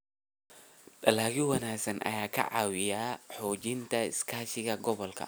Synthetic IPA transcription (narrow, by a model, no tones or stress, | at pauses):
dɐlaːɣɪwɐnaːɡsɐnʔɐ̰jaːkʰɐ̰ʕɑ̰ːwɪjaːħɔːt͡ʃɪnt̪ʰɐɪ̰skʰaːʃɪɣɐɡɔβɔlkʰɐ̰